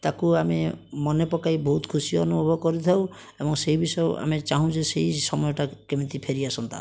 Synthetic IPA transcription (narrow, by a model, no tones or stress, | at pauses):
t̪akuamemɔnepɔkajbɔɦut̪kʰusijɔɔnubbʱɔkɔɾit̪ʰaw | ebɔŋsejbisɔjoa̰met͡ʃaɦũd͡ʒesejsɔmɔjɔʈakemit̪ipʰeɾiasɔnt̪a̰